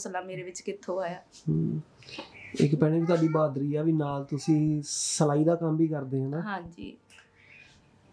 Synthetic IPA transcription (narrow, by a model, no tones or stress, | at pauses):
səlaːmeːɾeːʋɪt͡ʃkɪt̪ʰːõːaːjaː | ɪ̰kpɛːɽ̃ẽːʋiːt̪waːɖiːbaːd̪ɾiːɛːʋiːnaːlt̪ʊsĩːsəlaːiːd̪aːkəmbiːkəɾd̪eːɦɛ̃ːnaːɦãːɲd͡ʒḭː